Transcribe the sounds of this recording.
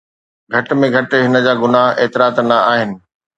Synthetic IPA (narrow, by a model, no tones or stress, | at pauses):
ɡʱɐʈmẽɡʱɐʈɦɪnə̆d͡ʑaːɡʊnaːɦeːt̪ɪɾaːt̪nɐaːɦɪnɪ̆